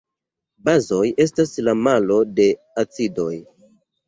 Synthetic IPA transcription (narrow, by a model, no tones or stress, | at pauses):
bazo̞je̞staslamalo̞de̞ | at͡sido̞j